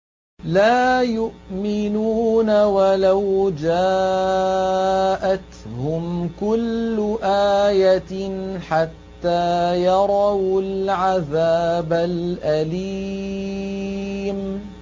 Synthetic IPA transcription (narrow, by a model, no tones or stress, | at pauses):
laːjʊʔmɪnuːnawalawd͡ʒaː | ʔat̪hʊmkʊlːʊʔaːjaħat̪ːaːjɑɾˤɑwlʕaðaːbalʔali | m